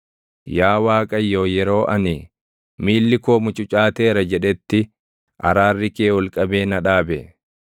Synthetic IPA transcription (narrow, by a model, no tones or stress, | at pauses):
jaːwaːkʼɐjːoːjɛɾo̞ːʔɐnɪ | miːlːɪkoːmʊt͡ʃʼʊt͡ʃʼaːt̪eːɾɐd͡ʒɛᶑɛt̪ːɪ | ʔɐ̰ɾaːrːɪkeːwɔlkʼɐbe̞ːnɐᶑaːbɛ